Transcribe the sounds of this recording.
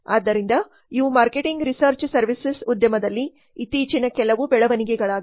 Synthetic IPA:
aːd̪ːɐɾind̪ɐ | iʋumaːɾkeʈiŋɡɾisɐɾt͡ʃsɐɾʋisesud̪jɐmɐd̪ɐlːiː | t̪iːt͡ʃinɐkɛlɐʋubɛɭɐʋɐniɡɛɡɐɭaː

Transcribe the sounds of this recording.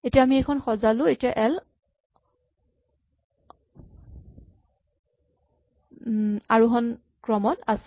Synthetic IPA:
etijaːmiɛkʰɔnxɔzalʊ̃etijaʔɛl | aɹuɦɔn | kɹɔmɔtas

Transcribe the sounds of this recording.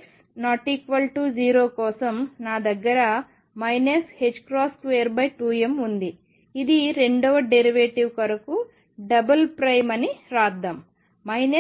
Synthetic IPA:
s | naːʈiːkʋɐlʈuːd͡ʒiːɾoːkɔːsɐmnaːd̪ɐɡːɐɾɐ | mɐjneshed͡ʒkɾaːskʋejɐɾbɐjʈuːemund̪i | id̪iɾe̞ɳɖɔːʋɐɖeɾiʋeːʈiʋkɐɾɐku | ɖɐbɐlpɾɐjmɐniɾaːd̪ɐm | mɐjne

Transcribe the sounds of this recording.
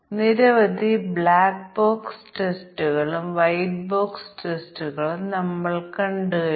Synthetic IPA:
niɾɐʋɐd̪ʱibɭaːk̚boːksʈestuɣɐɭumʋɐjʈboːksʈestuɣɐɭumnɐmːɐɭkɐɳɖɨɣɐ

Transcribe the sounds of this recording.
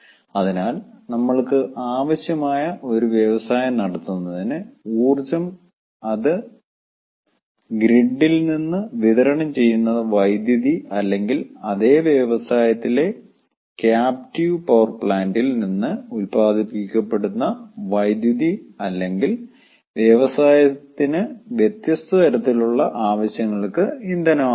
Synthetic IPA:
ɐðinaːlnɐmːɐɭkɨʔaːʋɐɕjɐmaːjɐʔo̞ɾuʋjɐʋɐsaːjɐmnɐɽɐt̪ːunːɐðinɨuːrt͡ɕːɐm | ɐðɨ | ɡɾiɳːilninːɨʋiðɐɾɐɳɐmt͡ɕe̞jːunːɐðɨʋɐjd̪jɐðiɐlːe̞ŋɡilɐðe̞ːʋjɐʋɐsaːjɐt̪ːile̞ | kjaːp̚tiʋpɐwɐrpɭaːndilninːɨulpaːd̪ʱipikʲːɐpːe̞ɽunːɐʋɐjd̪juðiɐlːe̞ŋɡil | ʋjeʋɐsaːjɐt̪ːinɨʋjet̪jɐst̪ɐt̪ɐɾɐt̪ːiluɭːɐʔaːʋɐɕjɐŋːɐɭkɨind̪ɐno

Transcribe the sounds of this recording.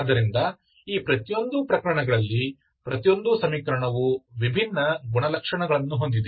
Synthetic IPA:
d̪ɐɾind̪ɐ | iːpɾɐt̪ijo̞nd̪upɾɐkɐɾɐɳɐɡɐɭɐlːi | pɾɐt̪ijo̞nd̪usɐmiːkɐɾɐɳɐʋuʋibʱinːɐɡuɳɐlɐkʂɐɳɐɡɐɭɐnːuɦo̞nd̪id̪

